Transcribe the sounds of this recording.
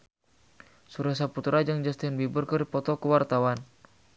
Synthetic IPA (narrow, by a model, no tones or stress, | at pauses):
suɾas̬aput̪ɾad͡ʒəŋd͡ʒast̪inbibərkəripɔt̪ɔkəwart̪awan